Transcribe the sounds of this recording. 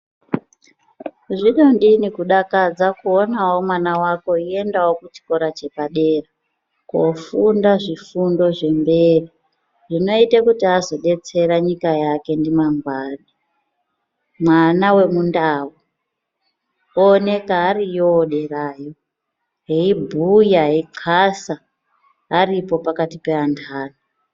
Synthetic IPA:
ʐiɗondinikuɗakad͡zakuonawo̞mwanawako̞ie̞ndawokut͡ʃi̥ko̞ɾat͡ʃe̞paɗe̞ːra | kofundaʐifundo̞ʐe̞mbe̞ːri | ʐino̞itekutiazo̞ɗe̞t͡se̞ɾaɲikajake̞ndimaŋɡwaɗi | mwanawe̞mundawu | one̞kaːrijoːɗeraːjo | ɦeibʱujaeiǃʰasaː | ripo̞pakatipeantʰaːna

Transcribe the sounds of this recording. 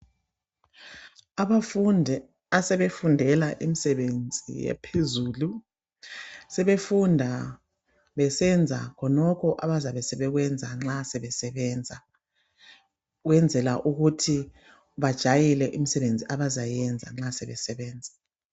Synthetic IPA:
aβa | asɛβefundʱɛlaʔimisɛβend͡zʱḭjɛ̰pʰezuːlu | sɛβefundʱa | βɛsɛnd͡zʱa̰kʰɔnɔkʰɔʔaβazaβɛsɛβɛɣwɛnd͡zʱaŋ͡ǁasɛβɛsɛβɛnd͡zʱa | ɣwɛnd͡zʱɛlaʔuɣutʰi | βad̥ʒ̥ʱajilɛʔim̩isɛβend͡zʱiaβazajɛnd͡zʱa̰ŋ͡ǁasɛβɛsɛβɛːnd͡zʱḁ

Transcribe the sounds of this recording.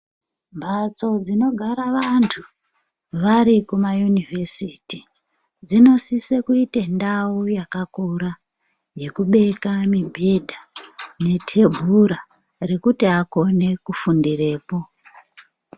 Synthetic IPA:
mbʱat͡so̞d͡zino̞ɡʱaɾaʋantʰu | ʋaɾikumajunivʱesiti | d͡zino̞sisekuitendaujakakuɾa | je̞kuɓe̞kamibʱe̞dʱane̞tʰe̞bʱuɾa | re̞kutiako̞ne̞kufundire̞ːpo̞

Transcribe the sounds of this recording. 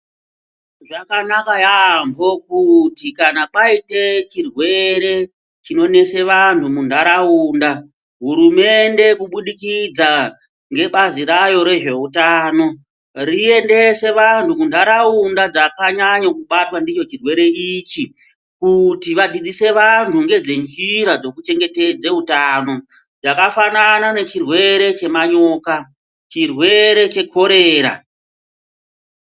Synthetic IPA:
ʐakanakajambo̞kutikanaɓaite̞t͡ʃirwe̞ɾe̞ | t͡ʃino̞ne̞se̞ʋantʰumundaɾauːnda | ɦuɾume̞nde̞kuɓuɗikid͡za | ŋɡe̞ɓaziɾajo̞ɾe̞ʐe̞utaːno̞ | rie̞nde̞se̞ʋantʰumundaɾaundad͡zakaɲaɲakuɓatwandit͡ʃo̞t͡ʃirwe̞ɾe̞it͡ʃi | kutiʋad͡zid͡zise̞ʋantʰuŋɡe̞d͡zend͡ʒiɾad͡zo̞kut͡ʃe̞ŋɡe̞ted͡zeutano̞ | d͡zakafananane̞t͡ʃirwe̞ɾe̞t͡ʃe̞maɲo̞ːka | t͡ʃirwe̞ɾe̞t͡ʃe̞kʰo̞ɾe̞ːɾa̰

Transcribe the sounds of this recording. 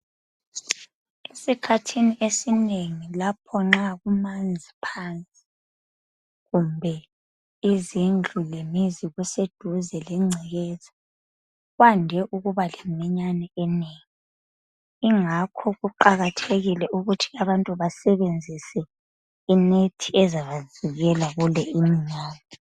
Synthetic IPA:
esikʰatʰiniʔesineŋilapʰɔŋ͡ǁaɣumand͡zʱipʰaːnt͡sʼi̥ | ɣumbʱɛ | izind͡ɮʱulemiziɣused̥ʱuzɛlɛŋ͡ǀʱiɣɛːzḁ | ɣwandʱɛʔuɣuβalemiɲanɛɛneːŋi | iŋakʰɔɣuǃaɣatʰeɣilɛʔuɣutʰi̥aβantʼuβasɛβend͡zʱisɛ | inetʰiɛzaβaziɣɛlaɣulɛʔimiɲaːnɛ

